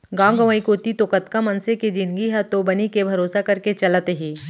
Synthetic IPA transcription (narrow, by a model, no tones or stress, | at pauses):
ɡãːɡəʋaikot̪it̪okɐt̪kamɐnseked͡ʒɪ̃nɡiɦɛt̪obɐnikebʱɐɾoːsakɐɾket͡ʃɐlat̪eɦiː